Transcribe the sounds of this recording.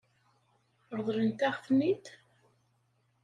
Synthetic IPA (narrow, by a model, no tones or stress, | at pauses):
ɾˤðˤlənt̪æʁθnit̪